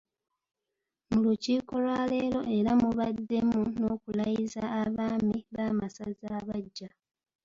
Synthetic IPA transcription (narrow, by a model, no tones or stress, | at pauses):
muluciːko̞lwaːle̞ːɾo̞ʔe̞ɾamuβadːe̞muno̞ːkulajizaːβaːmiβaːmasazaːβaɟːa